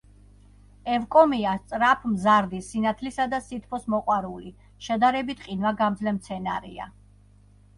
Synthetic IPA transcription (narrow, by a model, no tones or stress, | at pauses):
ɛvkʼɔmiast̪sʼɾapʰmzaɾd̪isinat̪ʰlisad̪asit̪ʰpʰɔsmɔqʼwaɾuli | ʃɛd̪aɾɛbit̪ʰqʼinvaɡamd̪zlɛmt̪sʰɛnaɾḭa̰